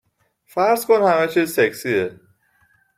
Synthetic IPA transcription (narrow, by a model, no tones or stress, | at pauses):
fæɾzkʰonhæmæt͡ʃʰizseksie